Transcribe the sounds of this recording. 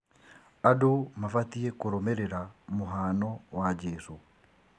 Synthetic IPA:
adomafatiekoɾomɛɾɛɾamoɦanɔwad͡ʒɛsu

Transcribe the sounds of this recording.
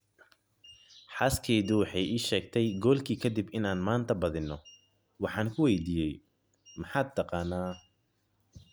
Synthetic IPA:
ħɑskʰɛːðʊwɑħɑjiːʃɛːɡt̪ʰɛjɡɔːlkʰiːkʰɐd̪ɪbɪnaːnmaːnt̪ʰɐbɐðɪnːɔ | wɑħɑːŋkʰʊwɛjd̪iːjɛj | mɑħɑːd̪̚t̪ʰːɐqɑːnːaː

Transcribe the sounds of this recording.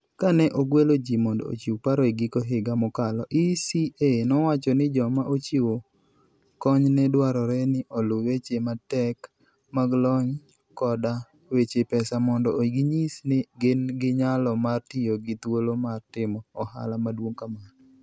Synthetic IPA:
kanɛʔoɡwelod͡ʒimɔndɔ̰o̰t͡ʃiwpaɾoeɡikoɦɪɡamɔkalɔʔisienɔwat͡ʃɔnɪd͡ʒɔmaʔot͡ʃiwo | kɔɲnɛdwaɾɔɾɛnɪʔɔlʊwet͡ʃematɛk | maɡlɔɲ | kɔda | wet͡ʃepɛsamɔndɔɡiɲisnɪɡɪnɡɪɲalɔmartijoɡɪt̪wolomartɪmɔːha̰lamadwoŋkamanɔ

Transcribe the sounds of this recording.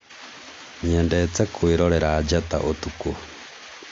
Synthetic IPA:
ɲeːndet͡sekwiɾoɾeɾaːd͡ʒata̰ʔotuko

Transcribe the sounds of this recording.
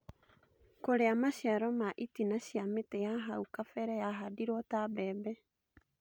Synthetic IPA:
koɾeamaʃjaɾɔmaʔitinaʃiametɛjaɦaukafɛɾɛjaɦadiɾwɔtabɛbɛ

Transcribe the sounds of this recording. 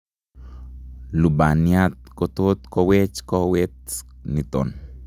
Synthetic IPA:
lubanjat̪̚kot̪ot̪kowet͡ʃkowet̪nit̪o̰n

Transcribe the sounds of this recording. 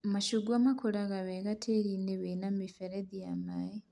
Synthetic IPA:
maʃuɡwamakʰuɾaɣaβeɣatʰeɾineβenamifeɾediamaje

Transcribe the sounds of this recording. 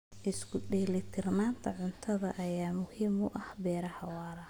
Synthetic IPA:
ʔɪskʰʊɗɛːlɪt̪ʰɪrnaːnt̪ʰɐʕʊnt̪ʰɐðɐʔɐjaːmʊhiːmʊʔɐhbɛːɾɐhɐwaːɾɐ

